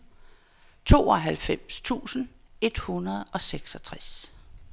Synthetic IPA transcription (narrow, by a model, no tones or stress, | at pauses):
t͡sʰo̝̰ːɒɦælfem̰st͡sʰṵːsn̩e̝d̥hunɐð̞ˠɒ̽seɡ̥sɒ̽t͡sʰʁas